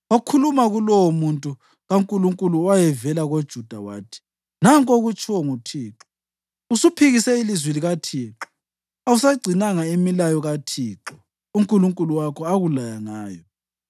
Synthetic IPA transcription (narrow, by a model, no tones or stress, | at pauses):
okʰulumaɣulɔwɔmuntʼu | ɣaŋkʼuluŋkʼuluwajɛvɛlaɣod̥ʒ̥ʱud̥ʱawa̰ːtʰi̥ | naŋkʼoɣut͡ʃʰʼwɔŋutʰiːǁɔ̥ | usupʰiɣisɛilizwiliɣatʰiːǁɔ̥ | ausaɡ͡ǀʱinaŋaimilajɔɣatʰiːǁɔ | uŋkʼuluŋkʼuluwakʰɔaɣulajaŋaːjɔ